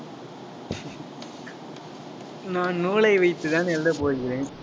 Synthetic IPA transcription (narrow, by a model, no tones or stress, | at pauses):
nãːnuːɭɐɪʋɐɪt̪ːɯt̪ãːnɛlːɐp̬oːɾɣɪɾẽː